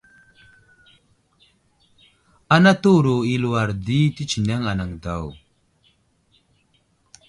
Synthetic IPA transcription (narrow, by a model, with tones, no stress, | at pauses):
a˦na˦tu˦˨ɾu˨i˨lu˨wa˨ɾdi˦ti˦t͡ʃi˨ne˦ŋa˨na˨ŋda˨w